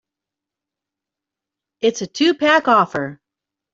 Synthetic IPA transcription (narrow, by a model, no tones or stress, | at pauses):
ɪtsɨtʰʉpʰækɔfə˞